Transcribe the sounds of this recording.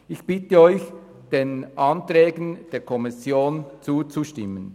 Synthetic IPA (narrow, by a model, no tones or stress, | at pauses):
ɪçb̥ɪtəɔʏç | d̥enʔɑntɾɛːɡən̩d̥eːɐkʰɔmɪsjoːnt͡suːt͡suʃtɪmːən